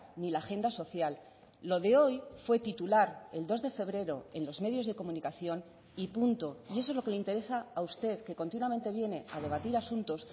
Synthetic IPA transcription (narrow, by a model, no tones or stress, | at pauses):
nilaxe̞nd̪aso̞θjalː | o̞ðe̞o̞jfwe̞t̪it̪ulaɾe̞ld̪o̞zðe̞fe̞β̞ɾe̞ɾo̞̰enlo̞zme̞ð̞jo̞zðe̞ko̞mũnikaθjo̞n | ipunt̪o̞ie̞sozlo̞keleint̪eɾe̞saːust̪e̞ðke̞ko̞nt̪inwamẽ̞nt̪e̞βje̞ne̞aðe̞β̞at̪iɾasunt̪o̞s